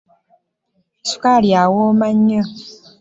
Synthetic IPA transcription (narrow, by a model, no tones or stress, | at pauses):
su̥kaljawoːmaɲːə